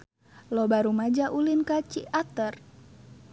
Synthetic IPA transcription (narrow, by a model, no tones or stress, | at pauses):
lɔbaɾumad͡ʒaʔulinkat͡ʃiat̪ər